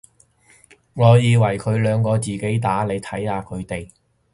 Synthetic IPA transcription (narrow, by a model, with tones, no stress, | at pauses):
ŋɔː˨˧jiː˧wɐ˨˩jkʰɵ˨˧ɥlœː˨˧ŋkɔː˧t͡siː˨ke˨˥jt̪aː˨˥le˨˧jt̪ʰɐ˨˥jaː˨˧kʰɵ˨˧ɥt̪e˨j